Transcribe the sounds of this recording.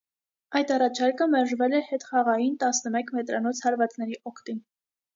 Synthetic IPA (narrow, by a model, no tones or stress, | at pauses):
ɑjd̪ɑrɑt͡ʃʰɑɾkəmɛɾʒvɛlɛhɛt̪χɑʁɑjint̪ɑsnəmɛkʰmɛt̪ɾɑnɔt͡sʰhɑɾvɑt͡snɛɾiʔɔkʰt̪in